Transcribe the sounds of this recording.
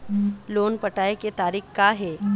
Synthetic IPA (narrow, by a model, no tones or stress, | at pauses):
loːnpɐʈaːeket̪aːɾiːxkaɦɛː